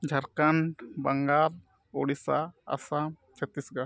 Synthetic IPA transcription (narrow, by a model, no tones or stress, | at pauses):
d͡ʒʱaɾkanbaŋɡal | ɔɽisa̰ːsam | t͡ʃʰət̪isɡa